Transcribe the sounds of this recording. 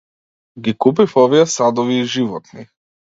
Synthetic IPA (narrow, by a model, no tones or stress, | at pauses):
ɡʲikup̬ifɔviɛsad̪ɔviːʒivɔt̪̚ni